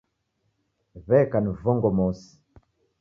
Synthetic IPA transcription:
βɛkanvɔŋɡɔmɔsi̥

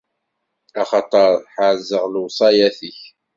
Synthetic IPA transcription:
ɑχɑt̪ˤɑɾħaʕzəʁlwsˤɑjæθəç

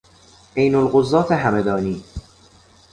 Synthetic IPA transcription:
ʔejnolɢozːɒːt̪ʰeɦæmed̪ɒːniː

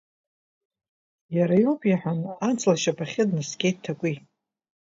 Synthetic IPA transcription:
jaɾajopʼjaħʷᶣanant͡sʰʼlaʃapʰaχʲɪdnɨsɡʲejttʰːakʷʼi

